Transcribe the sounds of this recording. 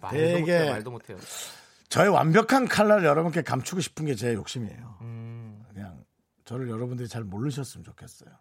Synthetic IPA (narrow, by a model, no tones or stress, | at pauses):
teɡe̞tʰ | t͡ɕʌewa̰mbjʌkʰankʰaɭːaɾɯɭjʌɾʌbunk͈e̞kamt͡ɕʰuɡoɕʰi̥pʰɯnɡe̞t͡ɕe̞jok̚ɕ͈imie̞̰jo | kɯɲa̰ŋ | t͡ɕʌɾɯɭjʌɾʌbundɯɾit͡ɕaɭmoɭːɯɕ̬ʰʌs͈ɯmɯnt͡ɕokʰe̞s͈ʌjo